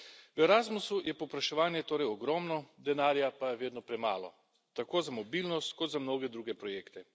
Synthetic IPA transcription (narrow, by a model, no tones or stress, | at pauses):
ʋɛɾaːzmusujɛpɔpɾaʃɛʋaːnjɛt̪oːɾɛjɔɡɾɔːmnɔd̪ɛnaːɾjapajɛʋeːd̪nɔpɾɛmaːlɔ̰ | t̪akoːzamɔbiːlnɔst̪kɔd̪zamnoːɡɛd̪ɾuːɡɛpɾɔjeːkt̪ɛ